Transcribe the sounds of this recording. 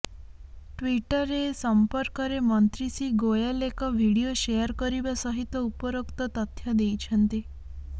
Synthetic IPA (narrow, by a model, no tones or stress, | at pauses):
ʈʋiʈəɾesəmpəɾkəɾemɔnt̪ɾisiɡojalekɔʋʱiɽijoʃejəɾkəɾibasɔɦit̪ːəupɔɾəkt̪ɔt̪ət̪ʰjad̪ejt͡ʃʰənt̪i